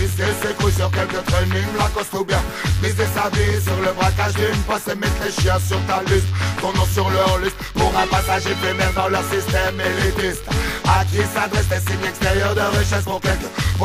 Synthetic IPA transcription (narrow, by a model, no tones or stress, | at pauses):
iskɛsəkχys̬yʁkɛlkət̪χɔnilakɔst̪objɛ̃pizesaviz̬ɔləbʁakaʒenpasemɛt̪leʃiasjyʁt̪alyt̪kɔ̃nɔ̃sjɔ̃lœʁlyt̪ | puʁɛ̃pasaʒeplemɛʁd̪ɑ̃lœʁsist̪ɛmeled̪ist̪akisad̪ʁɛs̬d̪esiɲɛkst̪eʁjœʁd̪əʁiʃɛspuʁkʲɛlkəp